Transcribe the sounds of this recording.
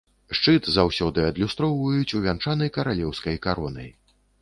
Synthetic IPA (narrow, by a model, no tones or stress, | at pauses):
ʂt͡ʂɨt̪zawsʲɔd̪ɨɐd̪lʲust̪ɾɔwvɐjut͡sʲuvʲant͡ʂanɐjkɐɾalʲɛwskɐjkaɾɔnɐ̰j